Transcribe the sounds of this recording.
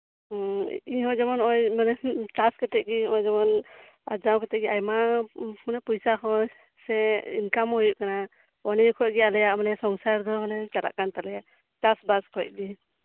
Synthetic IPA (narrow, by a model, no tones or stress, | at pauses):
iɦɔ̃d͡ʒɔmɔnɔjmanɛt͡ʃaskɛt̪ɛʔ̚ɡiɔjd͡ʒɔmɔn | ad͡ʒawkɛt̪ɛʔɡiajmamanɛpujsakɔ̃ | sɛḭnkamhujuʔkana | ɔnɛkʰɔt̚ɡialɛjaʔmanɛsɔŋsaɾd̪ɔmɔnɛt͡ʃala̰ʔkant̪alɛjaʔ | t͡ʃasbaskʰɔc̚ɡi